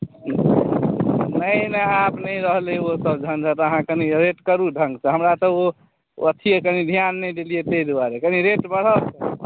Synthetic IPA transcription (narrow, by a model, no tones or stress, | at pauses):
nəjnəapnəiɾəɦleosəbd͡ʒʱənd͡ʒʱat̪əɦãkəniɾeʈkəɾuɖʱəŋɡt͡ʃʰɛɦəmɾat̪əo | ət̪ʰiekənid̪ʱijanːɛjd̪elijet̪ed̪waɾekəniɾeʈbəɽ̤əlt͡ʃʰɛ